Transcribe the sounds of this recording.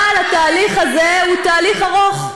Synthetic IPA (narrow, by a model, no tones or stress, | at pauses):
alat̪aːliχaze̞ut̪aːliχaʁo̞χ